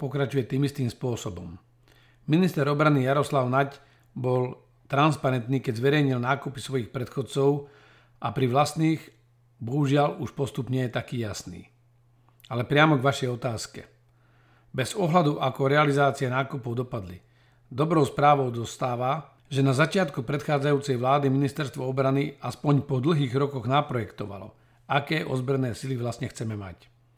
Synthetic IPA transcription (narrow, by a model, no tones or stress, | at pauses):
pɔkɾat͡ʃujɛt̪iːmist̪iːmspʊɔsɔbɔmː | inist̪ɛɾɔbɾanijaɾɔslaʊnac | bɔl | t̪ɾanspaɾɛnt̪niːkɛɟzʋɛɾɛjɲilnaːkupisʋɔjixpɾɛt̪xɔt͡sɔʊ | ʔapɾiʋlast̪niːɣ | bɔɦuʒɪaluʃpɔst̪upɲɛjɛt̪akiːjasnḭː | alɛpɾɪamɔɡʋaʃɛjɔt̪aːskɛ̰ | bɛz̥ɔɦlad̪uʔakɔɾɛalizaːt͡sɪɛnaːkupɔʊd̪ɔpad̪li | d̪ɔbɾɔʊspɾaːʋɔʊd̪ɔst̪aːʋa | ʒɛnazat͡ʃɪat̪kupɾɛt̪xaːd͡zajuːt͡sɛjʋlaːd̪iminist̪ɛɾst̪ʋɔɔbɾaniaspɔɲpɔd̪l̩ɦiːɣɾɔkɔɣnapɾɔjɛkt̪ɔʋa̰lɔ̰ | akɛːʔɔ̰zbɾɛnɛːsiliʋlast̪ɲɛxt͡sɛmɛma̰c